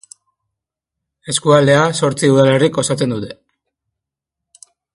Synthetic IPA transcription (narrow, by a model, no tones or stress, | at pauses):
e̞skuald̪e̞aso̞ɾt͡siuð̞ale̞riko̞sat͡se̞nd̪ut̪e̞